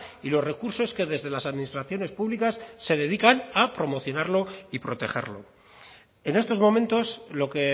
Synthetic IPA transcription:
ilo̞zre̞kuɾso̞ske̞ðe̞zðe̞lasaðminist̪ɾaθjo̞ne̞spuβlikasːe̞ðe̞ðikanapɾo̞mo̞θjo̞naɾlo̞ipɾo̞t̪e̞̰χe̞̰ɾlo̞̰ | ene̞st̪o̞zmo̞mẽ̞nt̪o̞slo̞ke

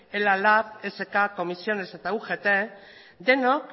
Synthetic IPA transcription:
elalafese̞kako̞misio̞ne̞se̞t̪auɣe̞t̪e | d̪e̞nok

